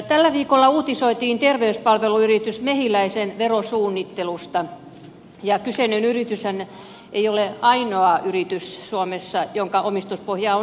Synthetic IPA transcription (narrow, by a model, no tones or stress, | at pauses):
t̪ælːæʋiːkolːɑuːt̪isoit̪iːnt̪erʋeyspɑlʋeluyrit̪ysmehilæisenʋerosuːnːit̪ːelust̪ɑ | jɑkysenynyrit̪yshæn | ʔeioleɑinoɑyrit̪yssuomesːɑjoŋkɑʔomist̪uspohjɑo